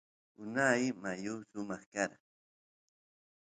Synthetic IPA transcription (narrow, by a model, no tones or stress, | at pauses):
ʊnajmajʊsʊmɑχkaɾ